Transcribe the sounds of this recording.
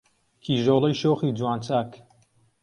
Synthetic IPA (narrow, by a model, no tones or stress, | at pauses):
kʰiːʒoːlˠɐjʃoːxiːd͡zwaːnt͡saːk